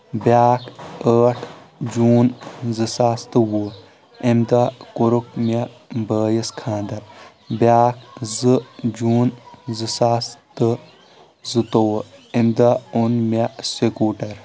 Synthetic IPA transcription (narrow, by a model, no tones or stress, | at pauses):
bʲaːkʰəːʈʰ | d͡ʒuːnzɨsaːst̪ɨwu | emd̪akuɾukma | bəːjɐskʰãːnd̪ɐɾ | bʲaːkzɨd͡ʒuːnzɨsaːst̪ɨ | zɨt̪owemd̪aunmasekuːʈɐɾ